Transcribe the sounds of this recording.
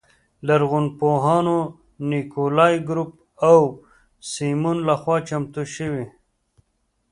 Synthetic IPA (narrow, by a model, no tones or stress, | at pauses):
laɾɣunpoɦɑːno | nikolaːjɡɾup̚ | aw | simunlaxwɑːt͡ʃamt̪uʃəwi